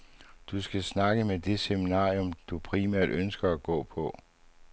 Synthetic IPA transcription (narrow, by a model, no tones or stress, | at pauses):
d̥usɡ̥æsnɑ̈ɡ̥əmed̥e̝seminɑ̰̈ːiɔ̽md̥upʰʁimæɐ̰d̥ønsɡ̥ɐæɡ̥ɔ̰̽ːpʰɒ̽